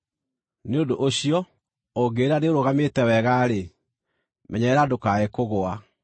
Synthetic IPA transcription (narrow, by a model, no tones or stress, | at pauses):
neodoʔoɕijɔ | oɡeɾaneoɾoɣameːtɛwɛɣaːɾe | mʔɛɲɛɛɾadokaekoɣoa